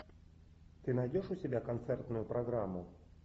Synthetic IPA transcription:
t̪ɨnɐjdʲoʂʊsʲɪbʲakɐnt̪sɛrt̪nʊjʊpɾɐɡɾamːʊ

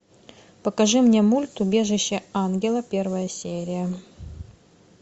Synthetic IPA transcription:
pəkɐʐɨmnʲemulʲt̪ʊbʲe̞ʐɨɕːəanɡʲɪlˠəpʲe̞rvəjəsʲeɾʲɪjə

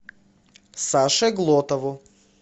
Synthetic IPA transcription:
saʃɛɡlˠɔt̪avo

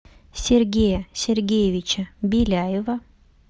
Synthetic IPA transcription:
sʲerɡʲejɐsʲerɡʲejevʲɪt͡ɕəbʲilʲæjɪvɐ

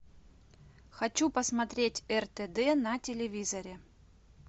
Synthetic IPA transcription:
xɐt͡ɕupəsmɐt̪ɾʲetʲɛrt̪ɛd̪ɛnɐtʲɪlʲɪvʲizɐɾʲɪ

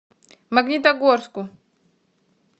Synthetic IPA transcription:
maɡnit̪̬aɡoɾsku

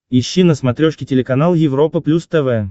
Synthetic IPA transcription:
ɪɕːinəsmɐt̪ɾʲoʂkʲɪtʲɪlʲɪkɐnalˠjɪvɾo̞pəplʲust̪ɛvɛ

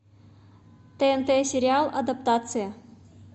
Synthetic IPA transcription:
t̪eent̪esʲeɾʲɪalˠɐd̪apt̪at̪sɨjə

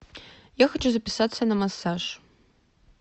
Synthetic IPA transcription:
jaxɐt͡ʃʰuzɐpʲisatsːɐnɐmɐsaʐ

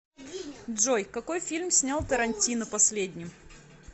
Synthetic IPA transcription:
dʐo̞jkɐko̞jfʲilʲmsʲnʲalˠt̪əɾɐnʲtʲinəpɐsʲlʲedʲnʲɪm

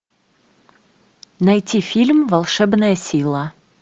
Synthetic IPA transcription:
nɐjtʲifʲilʲmvɐlˠʂɛbnəjəsʲilˠə

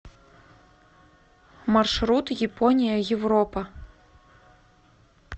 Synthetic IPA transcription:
marʂɾut̪jɛpʰɔnʲijɐjɛwɾɔpɐ

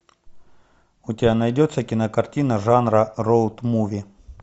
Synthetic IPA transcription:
ʊtʲɪbʲanɐjdʲot̪səkʲɪnəkɐrtʲinɐʐanɾɐrolˠt̪muvʲi

